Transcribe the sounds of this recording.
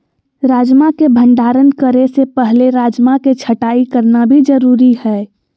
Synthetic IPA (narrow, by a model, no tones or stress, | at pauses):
ɾaːd͡ʒmakebʱə̃ɳɖaːɾənkəɾesepɛɦleɾaːd͡ʒmaket͡ʃʰəʈaːikəɾnabʱid͡ʒəɾuːɾihɛː